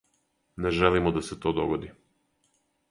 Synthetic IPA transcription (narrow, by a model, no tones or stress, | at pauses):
nɛʒɛlimɔd̪asɛt̪ɔd̪ɔɡɔd̪i